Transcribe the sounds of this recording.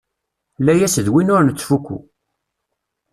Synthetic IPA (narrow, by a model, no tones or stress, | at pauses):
lːæjæsəðwinʊɾnət͡sːfukːṵ